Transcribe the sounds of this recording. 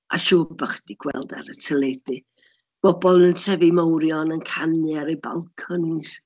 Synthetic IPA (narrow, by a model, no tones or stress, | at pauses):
a̰ʃuːbaχd̥iɡ̥wɛ̰lˠda̰ɾətʰəlˠed̥ɨ | b̥ɔbɔlˠnəntʰɛviməwɾjɔnənkʰanjɛɾejba̰lˠkʰɔnis